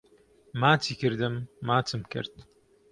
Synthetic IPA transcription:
maːt̪ʰiːkɨɾd̪ɨmːaːt̪ʰɨmkɨ̰ɾt̪̚

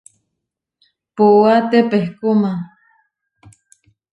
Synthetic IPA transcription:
puwat̪epehkuma

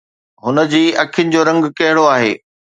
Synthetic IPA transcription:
ɦʊnə̆d͡ʑiːʔɐkʰɪjʊnɪ̆d͡ʑoːɾɐ̃ŋɡkɐɦɪɽoaːɦḛː

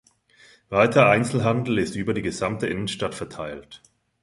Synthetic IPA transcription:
vaɪtʰɐʔaɪnt͡sl̩ɦandl̩ɪstʔyːbɐdiːɡəzamtəʔɪnənʃtatfɛɐtʰaɪlt

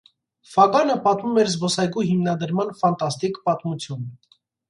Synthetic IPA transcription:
fɑɡɑnəpɑt̪mumɛɾzbɔsɑjɡuɦimnɑd̪əɾmɑnfɑnt̪ɑst̪ikpɑt̪mut͡sʰjun

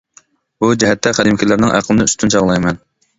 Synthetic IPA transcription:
bud͡ʒɛɦɛt̪ʰːɛχæd̪ɪmkʲʰilɪɾnɪŋʔæ̰qʰəlˠɨnɪyst̪ʰynt͡ʃʰɑʁlˠɑjmɛn

